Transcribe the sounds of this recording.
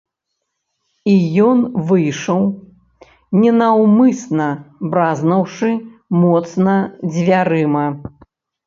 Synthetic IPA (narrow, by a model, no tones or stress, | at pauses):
ijɔnvɨjʂɐw | nʲɛnɐwmɨsnɐbɾaznɐwʂɨmɔt̪snɐd͡zʲvʲaɾɨmɐ